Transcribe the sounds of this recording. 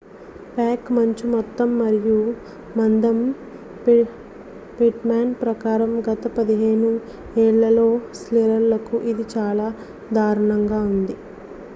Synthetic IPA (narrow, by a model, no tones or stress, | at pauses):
paːkmɐɲt͡ʃimɔt̪ːɐmːɐɾiju | mɐnd̪ɐm | p | piʈmaːnpɾɐkaːɾɐmɡɐt̪ɐpɐd̪iɦe̞ːnu | ɛːɭːɐlo̞ːsleɾɐɾlɐkuʔid̪it͡ʃaːlaː | d̪ʱaːɾɐɳɐŋɡaːund̪i